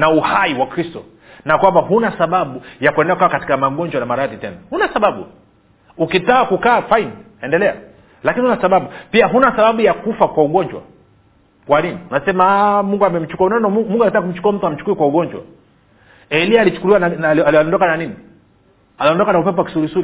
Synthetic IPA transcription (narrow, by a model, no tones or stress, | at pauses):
nauhaiwakɾistɔ̰ | nakwambahunasaɓaɓujakwɛndakukaːkati̥kamaɡɔɲd͡ʒwanamaɾaðitɛnahunasaɓaɓṵ | ukitaakukaːfaini | ɛndɛlɛa̰ | lakinihunasaɓaɓupiaɦunasaɓaɓujakufakwauɡɔɲd͡ʒwa̰ | kwaniniunasɛmamuŋɡuamɛm̩t͡ʃu̥kuaunanɔmuŋɡuakitaak̬um̩t͡ʃu̥kuam̩tuam̩t͡ʃu̥kuikwauɡɔɲd͡ʒwa̰ | ɛliaːlit͡ʃu̥kuliwananlalɔndɔkananini | aliɔndɔkanaupɛpɔwaki̥suɾisui